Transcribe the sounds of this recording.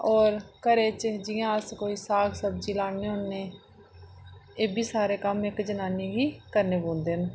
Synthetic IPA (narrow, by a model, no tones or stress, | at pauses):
ɔːɾkəɾeːt͡ʃd͡ʒɪjãːəskoːiːsaːksəb̚d͡ʒiːlaːɽeːɦʊnneː | eːbiːsaːɾeːkəmɪkd͡ʒənaːniːɡiːkəɾneːbõːnd̪eːn